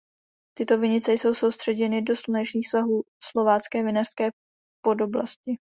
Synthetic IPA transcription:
t̪ɪt̪o̞vɪɲɪt͡sɛjso̞wsowst̪r̥ɛɟɛnɪdo̞slunɛt͡ʃniːxsvaɦuː | slo̞vaːt͡skɛːvɪnar̥skɛː | po̞do̞bla̰scɪ

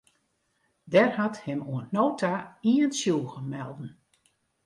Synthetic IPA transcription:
dɛrhathɪmuənnoːtʰaiənsjuːɣəmɛlˠdn̩

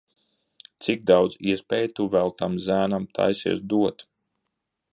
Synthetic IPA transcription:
t̪siɡ̚d̪awd̪ziɛspʲɛjt̪uvælˠt̪amzæːnamt̪ʰa̰jsḭɛsd̪uɔt̪

